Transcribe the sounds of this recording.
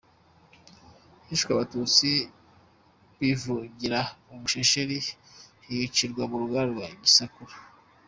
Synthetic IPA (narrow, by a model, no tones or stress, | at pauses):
hiʃkwaβatut͡si | βivuɟiɾaumuʃeʃeɾihijit͡ʃiɾɡwaβuɾuɡaɾɡwaiɡisakuɾa